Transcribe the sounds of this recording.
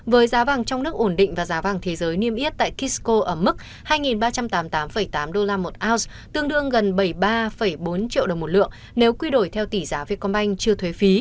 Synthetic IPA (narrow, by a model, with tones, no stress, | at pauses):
vəː˨˦jzaː˨˦vaː˨˩ŋt͡ɕɔ˧wŋ͡mnɨ˦˥ək̚ʔo˧˩nɗḭ̈˧˨ŋ̟vaː˨˩zaː˨˦vaː˨˩ŋt̪ʰe˨˦zəː˨˦jni˧əmʔi˦˥t̚t̪a̰ː˧˨jki˦˥sko˧ʔəː˧˩mɨ˦˥k̚ | haː˧jŋi˨˩nɓaː˧t͡ɕa˧mt̪aː˨˦mt̪aː˨˦mfə˧˩jt̪aː˨˦mɗo˧laː˧mo˨˩t̚ʔaː˦˥ws | t̪ɨ˧əŋɗɨ˧əŋɣə˨˩nɓə˧˩jɓaː˧fə˧˩jɓo˨˦nt͡ɕḭ˧ə˨wə˨˩wŋ͡mmo˨˩lɨ̰˧˨əŋ | ne˨˦wkwi˧ɗo˧˩jt̪ʰɛ˧wt̪i˧˩zaː˨˦vi˧˩əkɔ˧nɓa˧jŋ̟t͡ɕɨ˧ət̪ʰwe˨˦fi˨˦